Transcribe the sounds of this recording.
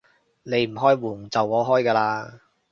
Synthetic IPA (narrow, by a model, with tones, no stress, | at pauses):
ne˨˧jm̩˨˩ɦɔː˥jwuː˨˩ŋt͡sɐ˨wɔː˨˥ɦɔː˥jkaː˧laː˧